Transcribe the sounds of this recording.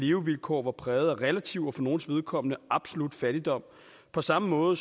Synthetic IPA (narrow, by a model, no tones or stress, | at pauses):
le̝ʊʋilkʰo̰ːʋɑ̈pʰʁɛːð̞̩ˠæʁɛlæt͡sʰiʊɒfɒ̽no̝ːn̩sʋe̝ð̞ˠkʰɒ̽m̰ənəʔɑ̈b̥so̝lud̥fæɾ̥id̥ɒ̽m̰ | pʰɒ̽sɑ̈məmɔ̽ːð̩ˠs